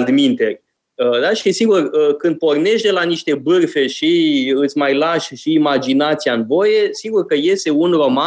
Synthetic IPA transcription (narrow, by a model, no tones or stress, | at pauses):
ld̪mint̪e̞rʲ | əd̪aʃisiɡurəkɨnd̪̚po̞rne̞ʃt̪d̪e̞laniʃt̪e̞bɨrfe̞ʃiɨt̪sʲmajlaʃʃiːmad͡ʒinat̪sianbo̞jesiɡurkəje̞st̪eunro̞ma